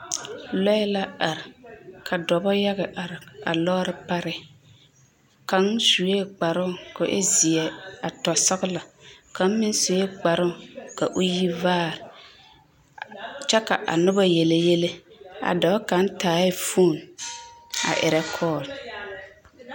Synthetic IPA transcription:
lɔ˦la˦a˨ɾɪ˨kʰa˨dɔ˨bɔ˦ja˦ɣɛ˨ʔa˨ɾɪ˨a̰˨lɔː˦ɾɪ˨pa˦ɾɪ˦ | ka˨n˦su˨je˦ɡ͡ba˨ɾʊ˦˨kʊ˨ʔɪ̰˦zi˨ɛ˨a˨tɔ˨sa˦ɣʊ˦la˨ka˨n˦mɪ˦n˦su˨je˦ɡ͡ba˨ɾʊ˦˨ka˨ʔʊ˦ji˦vaː˦˨ɾɪ˨ | t͡ʃɛ˦ka̰˨ʔa̰˨nʊ˦ba˦jɛ˨le˨je˦le˦a̰˨dɔ˨˦ka˨n˦taː˨˦ɪ˦fu˦˨n | a̰˨ʔɪ˨ɾɛ˦kʰɔː˦˨l

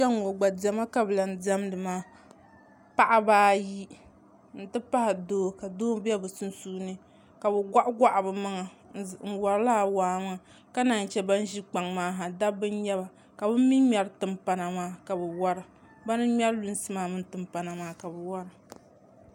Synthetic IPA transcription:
d͡ʒa˦ŋo˨ɡ͡ba˨da˨ma˦ka˨bɨ˨la˨n˨da˦mdɨ˨maː˦ | pa˦ʔa˦baː˦ji˦ | n̩˨tɨ˦pa˦hɪ˨doː˦ka˨doː˦bɛ˦bɨ˨su˦n˦suː˦nɨ˦ | ka˨bɨ˨ɡʷa˦ʔa˦ɡʷa˦ʔa˨bɨ˨ma˦ŋa˨ | ŋ̩˨wa˨ɾla˦a˨waː˨˦ŋa˨ | ka˦naː˨n˨t͡ʃɛ˦ba˦n˦ʒi˦k͡pa˨ŋmaː˦ɦa˨da˦bɨ˦n˦ɲɛ˦ba˨ | ka˨bɨ˦m˦mi˦mʲɛ˨ɾtɨ˨mpa˨na˨maː˦ka˨bɨ˨wa˦ɾɨ˨ | ba˦nɨ˦mʲɛ˦ɾlu˦n˦sɨ˦maː˨mɨ˦n˦tɨ˨mpa˨na˨maː˦ka˨bɨ˨wa˦ɾɨ˨

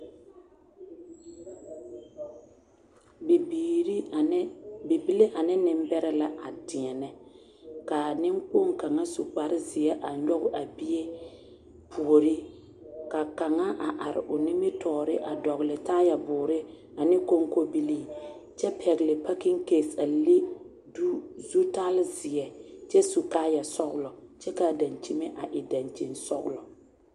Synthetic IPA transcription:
bi˨bi˦li˦ʔa˨nɪ˦nɪ˦m˦bɛ˦ɾɛ˦la˦ʔa˨tɪ˨ɛ˨nɛ˦ | ka˨nɪ˦ŋk͡po˦˨ŋka˨ŋa˦su˨k͡pa˨ɾɪ˦zɪ˨jɛ˦ʔa˨ɲɔ˦ɣʊ˦ʔa˨bi˦e˦ | pʰu˨o˨ɾi˦ | ka˨ka˨ŋa˦ʔa˨ʔa˨ɾɪ̰˨ʔʊ˨nɪ˦mɪ˦tɔː˨ɾɪ˦ʔa˨dɔ˨ɣlɪ˨taː˦ja˨bʊː˨ɾɪ˦ | a˨nɪ˦ko˦ŋ˦ko˦bi˦liː˦t͡ʃɛ˦pʰɛ˨ɣɪ˨lɪ˨pa˦kɪ˦ŋ˦keː˨sa˨lɪ˦ | du˦zu˦ta˦lɪ˦zɪ˨ɛ˨t͡ʃɛ˦su˨kaː˦ja˨sɔ˦ɣʊ˦lɔ˨t͡ʃɛ˦ka˨da˨nt͡ʃi˦me˦ʔa˨ʔɪ˨da˨nt͡ʃi˨nsɔ˦ɣlɔ˨

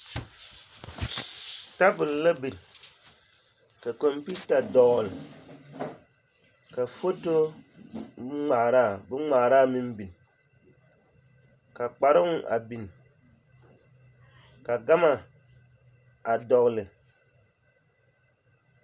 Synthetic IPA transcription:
ta˦bʊ˨lla˦bi˨ɾ | ka˨ko˨mpi˦ta˨dɔ˨ɣl | ka˨fo˦to˦ | ŋ͡ma˨ɾa˦˨bɨ˦ŋ͡ma˨ɾaː˦˨mi˦mbi˨n˨ | ka˨k͡pa˨ɾɨ˦ŋ˦˨ʔa̰˨bi˨n˨ | ka˨ɡa˦ma˨ | a˨dɔ˨ɣlɨ˨

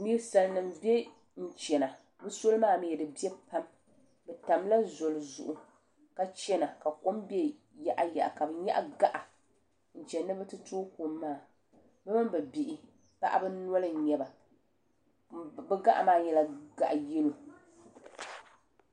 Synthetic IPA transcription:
niː˦ɾsa˨lnɨ˨mbe˦ | n̩˦˨t͡ʃɛ˨na˨ | bɨ˦so˦lɨ˦maː˦˨m˨jɛ˨dɨ˨bi˦ɛ˦pa˦m | bɛ˨ta˨mla˦zo˨lzʊ̰˨ʔu˨ | ka˨t͡ʃɛ˦na˨ka˨ko˦mbe˦ | ja˦ʔa˦ja̰˨ʔka˨bɛ˨ɲa̰˦ʔa˦ɡa˦ʔa˨ | n̩˨t͡ʃɛ˨nːɨ˦bɨ˦tɨ˦toː˦ku˨mːaː˦˨ | bɨ˦mɨ˦bɛ˨bi˨ʔɪ˨ | pa̰˦ʔa̰˦bɨ˦n˦ɔ˦lɨ˦˨ɲɛ˨ba˨ | bɨ˦ɡa̰˦ʔa˨maː˦˨ɲɛ˨la˨ɡa̰˨ʔjɛ˦lu˨

